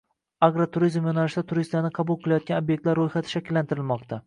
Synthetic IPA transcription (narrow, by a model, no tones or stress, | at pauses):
aɡɾat̪ʰʊɾizmjɒnalɪʃɪd̪at̪ʰʊɾist̪laɾnɪqʰɑbʊlˠqʰɨlˠajɒt̪̚ɡʲanobjek̚t̪laɾːojχat̪ʰɪ̥ʃakʲɪlːant̪ɪɾɪlmɒqt̪ʰa